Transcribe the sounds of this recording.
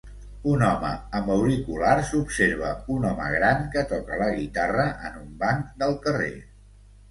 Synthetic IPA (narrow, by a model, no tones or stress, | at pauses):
unɔmə̰əməwɾikularsupseɾβ̞əunɔmə̰ɣɾaŋkət̪ɔkələɣit̪arəʔənumbaŋkd̪əlˠkərḛ